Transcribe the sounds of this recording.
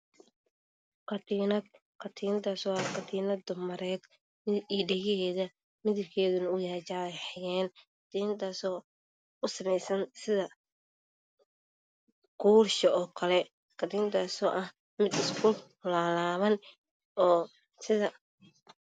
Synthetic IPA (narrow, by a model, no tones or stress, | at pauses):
qɐt̪ːnɐ | qʰɐt̪ʰiːnɐd̪aːsɔːɐqɐt̪ʰiːnɐd̪ʊmɐɾɛːd̪ | mɪiːɖɐɣɛhɛːðɐ | mɪðɪbkʰɛːðʊnɐʊjaːt͡ʃaːħɪjɛːnkd̪ʰiːnt̪ʰaːsɔː | ʊsɐmɛjsɐnsɪðɐ | ɡuːrʃɐʔɔːkʰɐlɛ | kʰɐd̪iːnt̪ʰaːsɔ̰ːʔɐh | mɪd̪ɪskʰʊ | laːlaːβɐn | ɔː | sɪðɐ